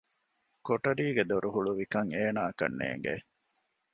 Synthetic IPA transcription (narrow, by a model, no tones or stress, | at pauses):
koʈɐɾiːɡed̪oɾuɦuɭuʋikɐŋeːnaːɐkɐ̰nːḛːŋɡḛ